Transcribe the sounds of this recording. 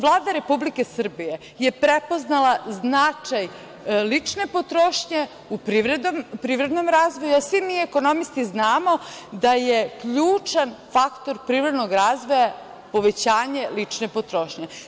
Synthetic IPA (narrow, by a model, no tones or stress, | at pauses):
ʋlˠaːd̪aɾe̞publike̞sr̩bije̞ | je̞pɾepo̞znalˠaznat͡ʂaj | lit͡ʂne̞po̞t̪ɾoːʃɲe | upɾiʋɾed̪ompɾiːʋɾed̪no̞mɾaːzʋojuasʋimiːeko̞no̞mist̪iznaːmo̞d̪ajekʎuːt͡ʂanfakt̪oɾpɾiːvɾe̞d̪noɡɾaːzʋo̞ja | po̞ʋet͡ɕaːɲelit͡ʂne̞pot̪ɾoːʃɲe